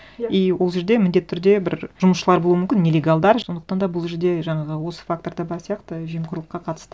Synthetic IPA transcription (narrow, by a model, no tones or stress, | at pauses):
ijwo̞lˠʒe̞ɾd̪e̞mɪnd̪e̞t̪ʰːʏɾd̪e̞bɪɾʒ̥ʊməsʃəlˠɑɾbolˠuəmʏmkʲɪnːelʲeɡalˠd̪ɑɾond̪əq̚t̪ɑnd̪ɑbʊlˠʒeɾd̪e̞ʒɑɴɑʁəwo̞sə̥fak̚t̪o̞ɾd̪əbɑɾsijɑqt̪əʒejmqʰʊɾlˠəqːɑqʰɑt̪ə̥st̪ə